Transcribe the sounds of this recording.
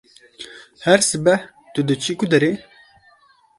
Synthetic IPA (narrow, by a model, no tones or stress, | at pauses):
hæɾsɨbɛh | t̪ud̪ɨt͡ʃʰikud̪ɛɾe